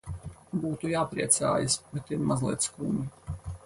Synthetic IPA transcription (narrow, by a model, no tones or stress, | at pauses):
buːt̪ujaːpɾiɛt̪sa̰ːjasbɛt̪iɾmazlˠḭɛt̪skṵːɲi